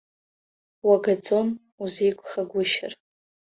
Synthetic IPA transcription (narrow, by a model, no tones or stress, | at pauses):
waɡad͡zʼo̞n | uzijkʷʼχaɡʷʊʃɪ̰r